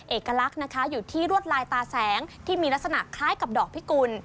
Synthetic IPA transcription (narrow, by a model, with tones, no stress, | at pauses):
ʔeː˨˩kːa˧la˦˥k̚na˦˥kʰa˦˥juː˨˩t̪ʰiː˥˩ɾu˥˩ət̪̚ɾaː˧jt̪aː˧sɛː˩˦ŋt̪ʰiː˥˩miː˧la˦˥t̪̚sa˧na̰˨˩kʰlaː˦˥jka˨˩p̚dɔː˨˩k̚pʰi˦˥ku˧n